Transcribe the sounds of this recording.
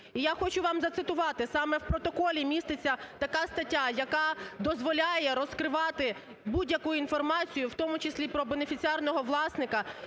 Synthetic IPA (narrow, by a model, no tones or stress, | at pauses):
ijaxɔt͡ʃʊʋɑmzɐt̪sɪt̪ʊʋɑt̪ɪsɑmɛwpɾɔt̪ɔkɔlʲimʲist̪ɪt͡sʲːɐt̪ɐkɑst̪ɐtʲːajɐkɑd̪ɔzʋɔlʲajɛɾɔskɾɪʋɑt̪ɪ | budʲjɐkujʊinfɔrmɑt͡sʲijʊwt̪ɔmʊt͡ʃɪsʲlʲipɾɔbenefʲit͡sʲiɑrnɔɦɔʋlˠɑsnɪkɐ